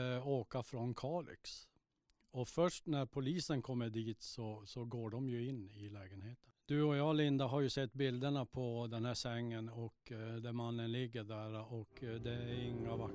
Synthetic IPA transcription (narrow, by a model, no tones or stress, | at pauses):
oːkafɾɔnkʰɑːɭɪ̰ks | ɔfœʂʈnæɾpʰʊliːsənkʰɔmːəɖiːt̪sɔsɔɡoːɖɔmjɵɪnːɪlɛːɡənheːt̪ənd̪̥ɵɔjɑːlɪnd̪aɦaɾjɵsɛt̪ːbɪld̪əɳapʰɔd̪ɛnhæːʂɛŋːənɔkd̪ɛmanːənlɪɡːəɖæɾaʔɔkd̪ɛæɾɪŋːava